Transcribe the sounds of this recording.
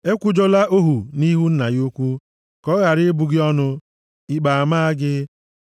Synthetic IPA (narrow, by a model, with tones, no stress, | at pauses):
e˦kʷʊ˦d͡ʒo˦la˦ʔo˦ɦu˨ni˦ɦu˦n̩˦na˨jo˦kʷu˦ | kɔ˦ɣa˨ɾɪ˦bʊ˨ɡɪ˦ɔ˦nʊ˦ | ɪ˨k͡pa˨a˨maː˦a˦ɡɪ˦